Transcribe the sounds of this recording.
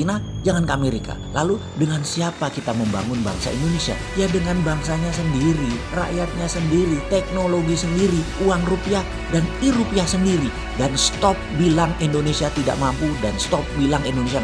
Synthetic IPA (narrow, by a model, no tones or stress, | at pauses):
inad͡ʒaŋankəameɾikʰa̰lalu | dəŋansiapakit̪aməmba̰ŋʊnba̰ŋsa̰ḭndonesia̰ | jadəŋanbaŋsaɲasəndiɾira̰jat̪̚ɲasəndiɾit̪ɛk̚noloɡisəndiɾiuaŋrupia | daniɾupiasəndiɾi | danst̪ɔp̚bilaŋindonesiat̪ida̰ʔmampudanst̪ɔp̚bilaŋindonesia